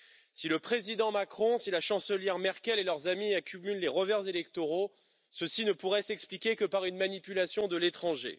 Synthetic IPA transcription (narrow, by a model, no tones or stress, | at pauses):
siləpχezid̪ɑ̃makχɔ̃silaʃɑ̃səljɛʁmɛʁkʲɛlelœʁzamiakʲymylːeʁəvɛʁzelɛkt̪oʁo | səsinəpuʁɛsɛksplikʲekəpaʁynmanipylasjɔ̃d̪əlet̪χɑ̃ʒḛ